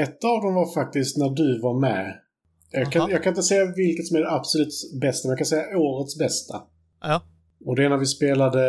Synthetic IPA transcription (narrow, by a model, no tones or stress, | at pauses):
ɛt̪ːavd̪ɔmvaɾfak̚t̪ɪskt̪næɖɵvaɾmɛ̰ | jɑɡkʰajɑɡkʰanɪnt̪əsɛjːavɪlkət̪sɔmæɾɖɛabsɔlʉ̟ːt̪sbɛst̪amɛjɑkʰansɛjːaoːɾət̪sbɛst̪ʰa | ɔd̪ɛɛːnːaɾvɪspeːlad̪ə